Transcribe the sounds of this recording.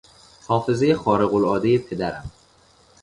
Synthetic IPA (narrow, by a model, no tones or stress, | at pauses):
hɒːfe̞ze̞jexɒːɾeɣolɒːd̪e̞jepʰe̞d̪æɾæm